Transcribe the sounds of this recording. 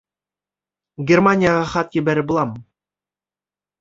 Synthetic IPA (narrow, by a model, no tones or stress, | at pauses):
ɡʲermanʲɪjaʁɑχɑt̪jɘ̆bæɾɘbulˠɑmɤ